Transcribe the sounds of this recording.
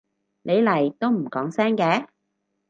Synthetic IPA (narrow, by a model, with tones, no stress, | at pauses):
nʔe˨˧jlɐ˨˩jt̪o˥wm̩˨˩kɔː˨˥ŋsɛː˥ŋkɛː˨˥